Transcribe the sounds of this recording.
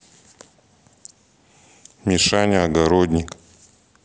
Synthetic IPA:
mʲɪʂanʲɪɐɡɐɾod̪ʲnʲɪk

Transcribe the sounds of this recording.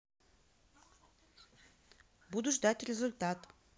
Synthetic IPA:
bud̪ʊʐd̪atʲrʲɪzʊlʲt̪at̪

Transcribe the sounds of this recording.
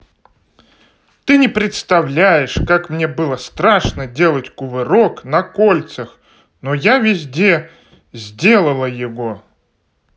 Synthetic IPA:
t̪ɨnʲɪpɾʲɪt̪st̪ɐvlʲæjɪʂkakmnʲe̞bɨlˠəst̪ɾaʂnədʲe̞lˠətʲkʊvɨɾo̞knɐkolʲt̪səx | nojavʲɪzʲdʲe̞ | zʲdʲe̞lˠəlˠəjɪvo

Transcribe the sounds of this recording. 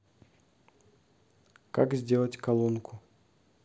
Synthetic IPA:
kakzʲdʲe̞lˠətʲkɐlˠonkʰʊ

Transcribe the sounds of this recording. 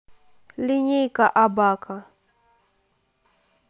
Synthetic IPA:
liɲijkaʔabakʰa

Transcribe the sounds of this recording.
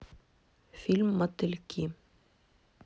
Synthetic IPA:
filmːat̪ːɪlkʰiːm

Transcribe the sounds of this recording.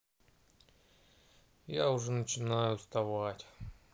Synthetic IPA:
jaʊʐɛnət͡ɕɪnajʊst̪ɐvatʲ

